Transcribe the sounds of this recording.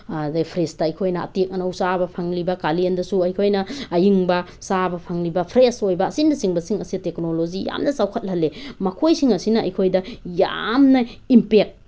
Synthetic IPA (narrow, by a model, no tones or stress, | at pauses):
depʰɾestɐɐjkʰojnɐɐ̰tek̚ɐnɐusabɐpʰaŋlibɐkaliendɐsuɐjkʰojnɐːjiŋbɐsabɐpʰaŋlibɐpʰɾesojbɐːsindɐsiŋbɐsiŋɐsitek̚nolozija̰mnɐsawkʰɐt̚lhɐlːemɐkʰojsiŋɐsinɐɐjkʰojdɐja̰mnɐimpek̚